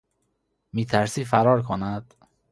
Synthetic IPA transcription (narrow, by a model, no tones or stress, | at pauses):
miːt̪ʰæɾsiːfæɾɒːɾkʰonæd̪̥